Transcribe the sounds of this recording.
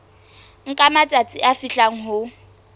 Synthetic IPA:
ŋ̩kʼamat͡sʼat͡sʼiʔafiɬaŋ̩ɦʊ

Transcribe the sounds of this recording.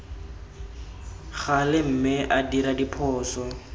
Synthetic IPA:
χalɪm̩mɪʔadiɾadipʰɔːsɔ

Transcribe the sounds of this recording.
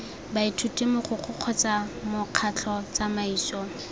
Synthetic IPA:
baitʰutʼimʊχʊχʰʊq͡χʰɔt͡samʊq͡χʰat͡ɬʰɔt͡samaiːsɔ

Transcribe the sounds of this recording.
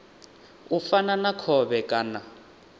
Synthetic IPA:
ufananakʰɔβɛkʼaːna

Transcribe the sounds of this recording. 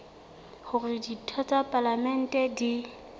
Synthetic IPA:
χʊrɪditʰɔt͡sʼapʼalamɛn̩tʼɛdi

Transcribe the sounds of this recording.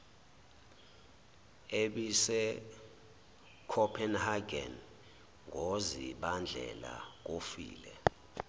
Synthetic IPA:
eɓisɛ | kʰɔpʰɛnhaɡɛn | ŋʱoziɓand͡ɮʱɛ̰la̰k̬ofḭːlɛ

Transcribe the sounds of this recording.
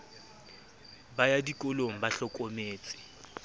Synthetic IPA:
bajadikʼʊloŋ̩baɬɔkʼomeːt͡sʼɪ̥

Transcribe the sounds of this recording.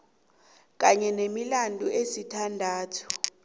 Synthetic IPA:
k̬ʼaɲɛnemilandʱʼuʔesitʰandʱaːtʰu̥

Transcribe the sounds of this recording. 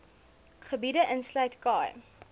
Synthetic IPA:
χəbidəʔənslœɥtkɑːj

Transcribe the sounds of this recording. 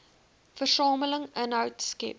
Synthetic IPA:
fərsɑːmələŋənɦɐwtskɛ̰p̚

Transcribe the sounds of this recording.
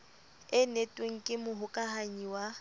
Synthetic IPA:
ɪnetʼweŋ̩kʼɪmʊɦʊkʼaɦaɲiwa

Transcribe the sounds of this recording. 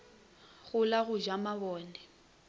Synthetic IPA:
ɣʊlaɣʊʒamaβɔːnɛ

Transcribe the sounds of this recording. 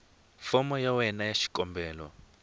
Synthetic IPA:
fɔmɔjawɛnajaʃi̥kɔmbɛːlwɔ̰

